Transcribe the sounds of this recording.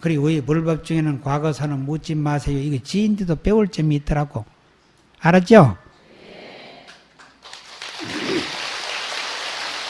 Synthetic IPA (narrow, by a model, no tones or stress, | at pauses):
kɯɾioipuɭbʌp̚t͡ɕuŋenɯnkwaɡʌsʰanɯnmut͡ɕ͈imːasʰejoiɡet͡ɕindidop͈euɭt͡ɕ͈emiːt͈ʌɾako | aɾat͡ɕo